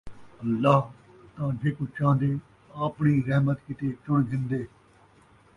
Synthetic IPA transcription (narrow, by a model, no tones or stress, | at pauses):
əlːaːɦ | t̪ãːd͡ʒeːkot͡ʃãːnd̪eː | aːpɳiːɾɛɦmət̪kɪt̪eːt͡ʃʊɳɡ̪ɪ̃nd̪eː